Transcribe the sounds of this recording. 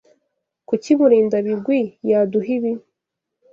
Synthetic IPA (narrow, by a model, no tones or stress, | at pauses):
kuciβuɾiːndaβiɡwijaːduɦiβi